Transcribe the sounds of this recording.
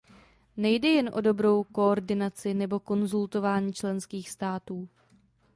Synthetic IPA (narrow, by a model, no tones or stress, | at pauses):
nɛjdɛjɛnʔo̞do̞bɾo̞wko̞oɾdɪnat͡sɪnɛbo̞ko̞nzult̪o̞vaːɲiːt͡ʃlɛnskiːxst̪aːt̪uː